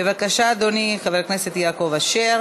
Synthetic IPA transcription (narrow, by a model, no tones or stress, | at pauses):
bevakaʃad̪oniχaveʁknese̞t̪jaːko̞vaʃeʁ